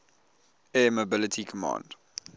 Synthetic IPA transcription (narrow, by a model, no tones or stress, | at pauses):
ɛmobɪlətʰikʰəmɑ̰̃ːnd̥